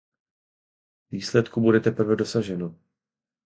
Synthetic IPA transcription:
viːslɛt̪kubudɛt̪ɛpr̩vɛdo̞saʒɛno

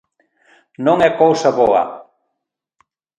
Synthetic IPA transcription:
nõŋɛkowsaβɔɐ̰

